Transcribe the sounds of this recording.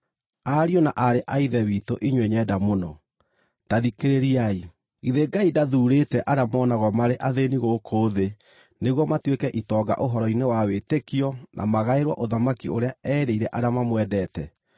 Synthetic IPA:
aɾiɔnaʔaɾeʔaiðɛwitoʔiɲweɲɛdamonɔ | taðikeɾeɾiai | iðeɡaidaðuːɾetɛʔaɾamɔnaɣɔmaɾeʔaðeniɣokʰoðe | neɣwɔmatwekɛʔitɔːɡa̰ʔoɦɔɾɔinewawetekiɔnʔa̰maɣaeɾwa̰ʔoðamakioɾeaɛɾeiɾɛʔaɾeamamwɛdɛtɛ

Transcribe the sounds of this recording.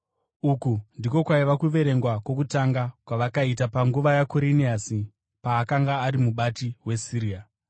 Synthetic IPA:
ukundiko̞kwaiʋakuʋe̞ɾe̞ŋɡwakwo̞k̬utaŋɡakwaʋakaitapaŋɡuʋajakoɾiniasi | paːkaŋɡaːɾimuɓatiwe̞siɾia

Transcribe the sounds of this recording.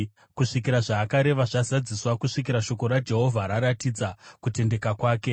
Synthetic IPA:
kuʂik̬iɾaʐaːkaɾe̞ʋaʐazad͡ziswakuʂikiɾaʃo̞ko̞ɾad͡ʒe̞ɦo̞vʱaɾaɾatid͡zakute̞nde̞kakwaːke̞

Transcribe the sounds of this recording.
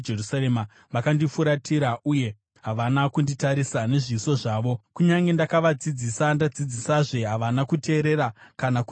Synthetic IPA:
d͡ʒerusaɾema | ʋakandifuɾatʰiɾaʔuje̞ | ɦaʋanakunditaɾisane̞ʐiso̞ʐaːʋo̞kuɲaŋɡe̞ndakaʋad͡zid͡zisandad͡zid͡zisaʐe̞ɦaʋanakute̞ːɾeɾakanaku

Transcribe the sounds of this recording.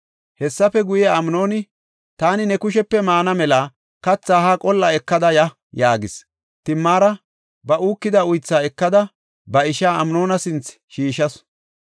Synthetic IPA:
hɛsːɐfɛɡʊjɛɐmno̞ːnɪ | t̪aːnɪnɛkʊʃ̬ɛpːɛmaːnɐmɛlɐ | kɐt͡sːaːhakʼɔlːɐɛkːɐd̪ɐjɐ | jaːɡɪs | t̪ɪmːaːɾɐ | bɐʔuːkːɪd̪ɐʊjt͡sːaːɛkːɐd̪ɐ | bɐɪʃaːɐmno̞ːnɐsɪnt͡s | ʃiːʃɐs

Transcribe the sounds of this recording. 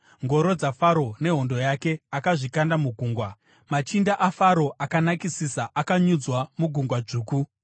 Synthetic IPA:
ŋɡo̞ɾo̞d͡zafaɾo̞ne̞ɦo̞ndo̞jake̞akaʐikandamuɡʱuːŋɡwa | mat͡ʃindaʔafaɾo̞ʔakanakisisaʔakaɲud͡zwamuɡʱuŋɡwad͡ʐuːku

